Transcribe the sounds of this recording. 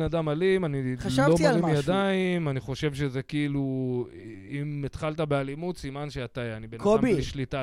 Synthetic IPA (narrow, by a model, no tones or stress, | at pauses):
nad̪amalimanilvobaʁimjad̪aimaniχo̞ʃe̞vʃeze̞kiilu | imet̪χalt̪̬abealimut̪simanʃeat̪aanibenakoabiliʃlita